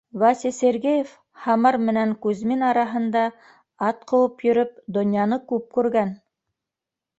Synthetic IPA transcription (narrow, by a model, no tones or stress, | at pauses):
vɑsʲiseɾɡejef | hɑmɑɾmɘ̆næŋkʉzminɑɾɑɦɤ̆nd̪ɑ | ɑt̪̚qʰɤ̆w̪ˠɤpjɵ̆ɾɵp̚d̪ŏnjɑnɤkʉp̚kʉɾɡæn